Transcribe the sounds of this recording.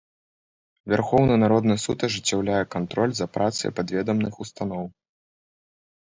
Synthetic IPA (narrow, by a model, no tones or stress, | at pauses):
vʲarxɔwnɐnaɾɔd̪nɨsut̪ɐʐɨt͡sʲːawlʲajɛkant̪ɾɔlʲzɐpɾʔat̪sɨ̰j̰pad̪vʲɛd̪ɐmnɨxust̪anɔw